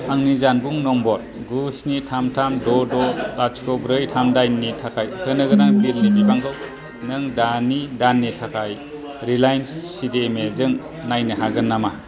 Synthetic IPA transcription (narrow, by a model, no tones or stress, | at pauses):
aŋnizanbuŋnɔmbɔt̚ | ɡusnitʰamtʰamdɔdɔlat͡ʃkʰɔbɾɯjtʰamdajnːitʰakʰajhɯnɯɡɯɾaŋbiɾnibibaŋkʰɯw | nɯŋdanidanːitʰakʰaj | ɾilajnssidemezɯŋ | najnɯɦaɡɯnːama